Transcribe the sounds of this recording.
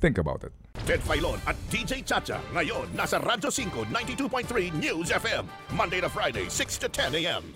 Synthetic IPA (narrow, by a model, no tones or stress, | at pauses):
θɪ̃ŋkəba̰ʊtɪ̰t̚tʰɛdfajlɔnat̚d̥id͡ʒejt͡ʃʰat͡ʃa̰ŋajɔnːasaɾʔadd͡ʒosĩŋkonãjntitupʰɔ̃ɪnθɹinjuːzɛfɛ̃mːʌ̃ndeɪɾə̥fɹaɪdeɪsɪkstʰɨtʰɛ̃neɛ̰̃m